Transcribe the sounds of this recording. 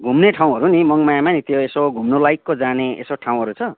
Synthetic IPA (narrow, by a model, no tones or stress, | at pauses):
ɡʱumneʈʰaw̃ɦʌɾunimʌŋmajamanit̪joesoɡʱumnolajkːod͡zaneḛsoʈʰaw̃ɦʌɾut͡sʰʌ